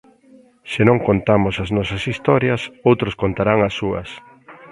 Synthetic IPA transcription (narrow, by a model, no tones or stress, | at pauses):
sɪnõŋkont̪amʊsɐznɔsɐsist̪ɔɾjɐsowt̪ɾʊskont̪aɾaŋɐsːuɐ̰s